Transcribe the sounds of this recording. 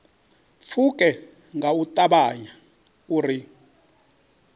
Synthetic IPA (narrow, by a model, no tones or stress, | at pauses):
fʰukʼɛ | ŋɡautʼaɓaɲa | uri